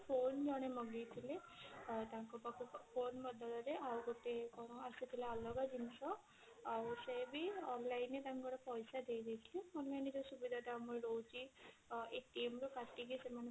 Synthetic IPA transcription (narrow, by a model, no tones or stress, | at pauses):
pʰond͡ʒɔɽ̃emɔɡijt̪ʰilet̪aŋkɔpakʰupʰonbɔd̪ʱɔlɔɾeawɡot̪ekɔasit̪ʰileɔlɔɡad͡ʒinsʰɔ | awsebiɔnlajnet̪aŋkɔɾɔpɔjsad̪ejd̪ejt̪ʰilɔɔnanid͡ʒɔsubid̪ʱaʈamɔjlowt͡ʃʰi | ek̚ʈimɾukaʈiɡisemane